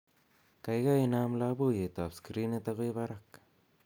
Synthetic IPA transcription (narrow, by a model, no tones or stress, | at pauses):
kajɡajnamlabujet̪oapskɾinet̪aɣoeβaɾak